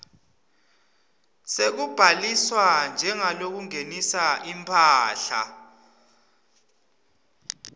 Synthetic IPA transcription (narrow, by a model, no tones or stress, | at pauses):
sek̬ub̥ʱaliswand͡ʒʱɛŋalok̬uŋenisaʔimpʰaːɬa̰